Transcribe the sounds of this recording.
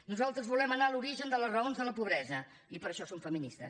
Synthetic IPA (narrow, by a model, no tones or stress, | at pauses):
nuzalˠt̪ɾəzβulɛmənaluɾiʒənd̪ələzrəonzðələpuβ̞ɾɛzə | ipəɾəʃɔsomfəminist̪ə̰s